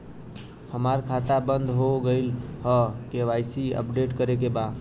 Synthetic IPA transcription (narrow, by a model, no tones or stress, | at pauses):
həmaɾkʰat̪abənd̪ʱɦoɡəɪlhəkeʋajsiə̰pɖeʈkəɾek̬eba